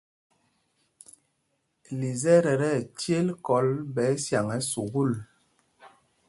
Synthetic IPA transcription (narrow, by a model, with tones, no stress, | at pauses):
li˨zɛ˦ɾɛ˨ɾɛ˦˨tje˦lkɔ˨˦lbɛ˨˦sja˨ŋɛ˨˦su˨ɣu˦˨l